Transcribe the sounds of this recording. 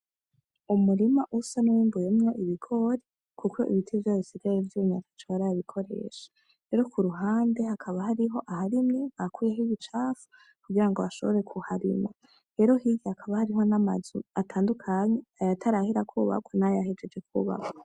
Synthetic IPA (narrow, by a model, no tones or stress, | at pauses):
umuɾimaʔusanujiːmbujemɲo̞ʔiβikʰo̞ɾe | kʰukʰo̞̰ʔḭβitʰivjaβisiɡaɾevjuɲa̰kḁt͡ʃoβaɾaβikʰo̞ɾe̞̰ːʃḁ | ɾe̞ɾokuɾuɦaːnde̞hakʰaβahaɾiɦo̞ʔahaɾimɲeŋ̥akuːjeɦiβit͡ʃaːfu̥ | kuɡiɾaŋɡo̞βaʃo̞βo̞ɾe̞kʰuhaɾḭma | ɾe̞ɾo̞hiɡeakʰaβahaɾiɦo̞namazuatʰaːndukʰaɲeajatʰaɾahiɾakʰuːβa̰kʰonajahed͡ʒe̞d͡ʒe̞kʰṵβa̰ko